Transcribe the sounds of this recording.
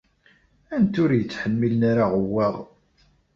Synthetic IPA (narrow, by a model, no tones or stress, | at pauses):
ænt̪ʊɾjət͡sːħəmːilnaɾaʁəwːæʁ